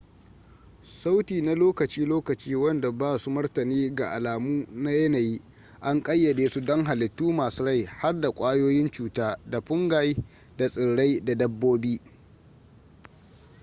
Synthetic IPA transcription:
sa˦wtiː˨na˦loː˦kɐ˨t͡ʃiː˦loː˦kɐ˨t͡ʃiː˦wɐ˦nda˨baː˦su˦mɐ˦rtɐ˨niː˦ɡa˨ʔa˨laː˨muː˦na˦jɐ˦na˨jiː˦ | ʔa˦ŋkʼɐ˦jːɐ˨deː˨su˦dɔ˦ŋɦa˨lɪ˨tːuː˦maː˨su˦ɽa˦˨jha˦rda˨kʷʼaː˦joː˦jɪ˦nt͡ʃuː˦taː˦da˨ɸʊ˦ŋɡaː˦ji˦ | da˨sʼɪ˨ɽɽa˦jda˨dɐ˦bːoː˦biː˦

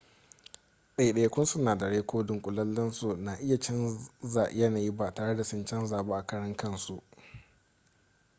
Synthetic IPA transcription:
ɗa˦i˨ɗɐ˦ja˦kʷʊ˦nsʊ˦naː˨da˨ɽeː˦kʷʰoː˦dʊ˨ŋkʷʼʊ˨lɐ˦lːɐ˦nsu˨na˨ʔɪ˦ja˨t͡ʃɐ˦nza˨ʔjɐ˦naː˨ji˦ba˦taː˨ɽe˦da˨sɪ˦nt͡ʃɐ˦nzaː˨baː˦ʔa˨kɐ˦ɽɐ˦ŋkɐ˦˨nsu˦ʔ

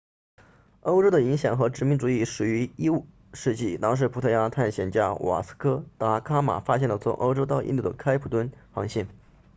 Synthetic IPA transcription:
o˥ʊʈ͡ʂo˥ʊd̪ə˨˩i˧˥ŋɕjɑ˨˩ŋxɤ˧˥ʈ͡ʂɻ̩˧˥mi˧˥ŋʈ͡ʂu˨˩i˥˩ʂɻu˨˩y˧˥i˥u˥˩ | ʂɻ̩˥˧t͡ɕi˥˩t̪ɑ˥ŋʂ̬ɻ̩˥˩pʰu˨˩t̪ʰɤ˥˩ja˥t̪ʰa˥˩nɕjɛ˨˩nt͡ɕja˥wʔa̰˨˩sɹ̩̥˥kʰɤ˥t̪a˧˥kʰa˥ma̰˨˩fa˥ɕjɛ˥˩nlə˩t͡sʰʊ̰˧˥ŋʔo̰˥ʊʈ͡ʂo˥ʊt̪ɑ˥˧ʊḭ˥˧nt̪u˥˩d̪ə˩kʰa˥ɪpʰu˨˩t̪wə˥nxɑ˧˥ŋɕjɛ˥˩n

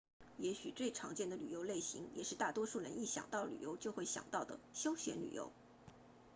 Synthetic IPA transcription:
jɛ˧˥ɕy˨˩t͡swe˥˩ɪʈ͡ʂʰɑ˧˥ŋt͡ɕjɛ˥˩nd̪ə˩ly˨˩jo˧˥ʊle˥˩ɪɕḭ˧˥ŋjɛ̰˨˩ʂɻ̩˥˧t̪a˥˩t̪wɔ˥ʂu˥˩ɻə˧˥ni˥˩ɕjɑ̰˨˩ŋt̪ɑ˥˩ʊly̰˨˩jo˧˥ʊt͡ɕjo˥˧ʊxwe˥˩ɪɕjɑ̰˨˩ŋt̪ɑ˥˩ʊd̪ə̰˩ɕjo˥ʊɕɥɛ̰˧˥nly̰˨˩jo̰˧˥ʊ

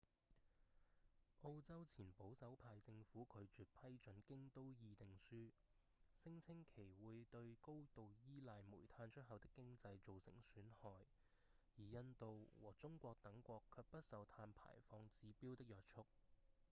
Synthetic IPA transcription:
ʔo˧wt͡sɐ˥wt͡sʰiː˨˩npo˨˥wsɐ˨˥wpʰaː˧jt͡sɪ˧ŋfuː˨˥kʰɵ˨˧ɥt͡ʃyː˨t̚pʰɐ˥jt͡ʃɵ˨˥nkɪ˥ŋt̪o˥wjiː˧t̪ɪ˨˩ŋsyː˥ | sɪ˥ŋt͡sʰɪ˥ŋkʰe˨˩jwuː˨˧jt̪ɵ˧ɥko˥wt̪o˨wjiː˥laː˧jmṵː˨˩jt̪ʰaː˧nt͡ʃʰɵ˥t̚hɐ˨wt̪ɪ˥kːɪ˥ŋt͡sɐ˧jt͡so˨wsɪ̰˨˩ŋsyː˨˥nhɔː˨˩j | jiː˨˩jɐ˧nt̪o˨wwɔ̰ː˨˩t͡sʊ˥ŋkʷɔː˧k̚t̪ɐ˨˥ŋkʷɔː˧kʰœː˧k̚pɐ˥t̚sɐ˨wt̪ʰaː˧npʰa̰ː˨˩jfɔː˧ŋt͡siː˨˥piː˥wt̪ɪ˥k̚jœː˨˧t̚t͡ʃʰʊ˥k̚

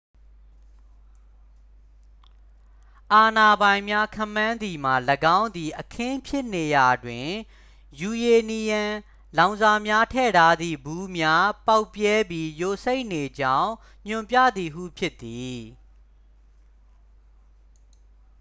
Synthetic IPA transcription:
ʔa˨na˨bã˨ɪ̃mja˦kʰã˦˨mːã˦nd̪i˨m̥a˨ləɡã˦ʊ̃nd̪i˨ʔəkʰɪ̃˦pʰjɪ˦ʔne˨ja˨dwɪ̃˨ | ju˨je˨ni˨jã˨ | lã˨ʊ̃nza˨mja˦tʰɛ̰˦˨ɾa˦d̪ḭ˦˨bu˦mja˦pa˦ʊpjɛ˦bji˦jo˨se˦ɪʔne˨d͡ʑã˦ʊ̃ | ɲ̥ʊ̃˨mpjä̰˦˨d̪i˨ɦṵ˦˨pʰjɪ˦t̪ːi˨

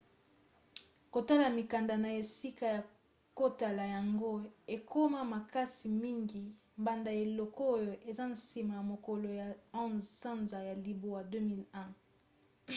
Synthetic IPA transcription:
ko˨ta˦la˨mi˨ka˨nda˨na˨e˨si˦ka˨ja˨ | ko˦ta˨la˨ja˨ŋɡo˦e˨kʰo˦ma˦ma˨ka˦si˨mi˦ŋɡi˨ | mba˨nda˨e˨lɔ˨kɔ˦o˦jo˨ʔe˨za˦n̩˦˨si˨ma˨ja˨mo˨kɔ˨lo˨ja˨ɔ̃˦nzsã˦nza˨ja˨li˨bo˨wa˨dø˦mi˦lɛ̃˦˨

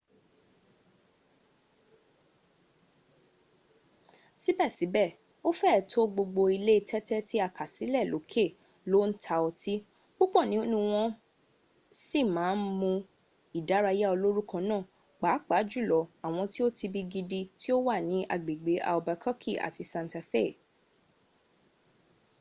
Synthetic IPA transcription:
si˦bɛ˦˨si˨˦bɛ˦˨ | o˦fɛ˦˨tʰo˦ɡ͡bo˧ɡ͡bo˧i˧le˦i˧tʰɛ˦tɛ˦ti˦a˧˨ka˨si˨˦lɛ˦˨lo˨˦kʰe˦˨ | lo˦n̩˦tʰa˧ɔ˧ti˦ | ɡ͡bo˦k͡pɔ˦˨nĩ˨˦o˦nũ˦w̃ɔ̃˧ | si˦˨mãː˨˦n̩˦mũ˧ | i˨da˨˦ɾa˧ja˦o˧lo˦ɾu˦kɔ̃˧nãː˦˨ | k͡pa˨˦k͡pa˨˦d͡ʒu˦˨lɔ˨a˨w̃ɔ̃˧ti˦o˦ti˧bi˧ɡi˧di˧ti˦o˦wa˦˨nĩ˨˦ʔa̰˨ɡ͡be˨ɡ͡be˨˦ʔa̰˨o˧ba˧kʰɔ˦kʰi˦˨ʔa̰˨tʰi˧sã˧nta˧fe˦˨

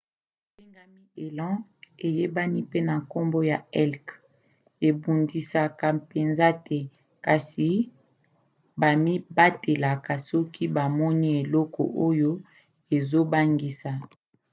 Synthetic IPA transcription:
pe˦ŋɡa˦mi˦e˨lã˦e˨je˦ba˦ni˦pe˦na˨ko˦mbo˦ja˨ɛ˦lk | e˨bu˨ndi˨sa˨ka˨pe˨nza˦tɛ˦ | ka˨si˨ | ba˨mi˦ba˦te˨la˨ka˨sɔ˦kʰi˦ba˨mɔ˦ni˦e˨lɔ˦kɔ̰˨ʔo˦jo˦ | e˨zo˦ba˦ŋɡi˨sa˨

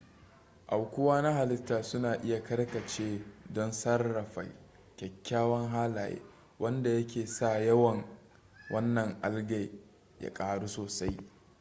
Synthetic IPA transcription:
ʔa˨wkʷʊ˦waː˦na˦ɦa˨lɪ˦tːaː˨sʊ˦naː˨ʔɪ˦ja˨kɐ˦ɽkɐ˨t͡ʃeː˦dɔ˦nsɐ˦rːɐ˨ɸa̰˨j | kʲɛ˨kʲːaː˦wɐ˦ŋɦaː˦laː˨jḛː˦ | wɐ˦nda˨jɐ˦kʲʰeː˨sa˦˨jɐ˦wɐ˨ŋ | wɐ˦nːɐ˨ŋʔa˦lɡa˨j | ja̰˦kʼaː˨ɽu˦soː˨sa˦j

